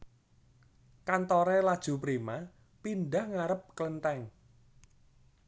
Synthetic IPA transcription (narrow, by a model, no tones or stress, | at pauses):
kant̪ɔɾelad̥ʒ̥ṳpɾima | pinɖahŋaɾəp̚klənt̪ɛŋ